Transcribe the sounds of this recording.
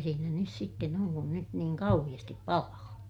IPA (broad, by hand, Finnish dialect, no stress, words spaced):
siːnæ nys sitːen oŋ kun nyt niːŋ kɑuhij̆ɑstip pɑlɑː